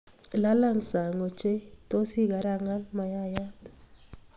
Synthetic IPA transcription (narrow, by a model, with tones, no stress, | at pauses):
la˦la˦˨ŋsa˨ŋɔ˨t͡ʃe˦to˦si˦ɡa˨ɾa˦˨ŋa˦nma˨ja˦ja˦t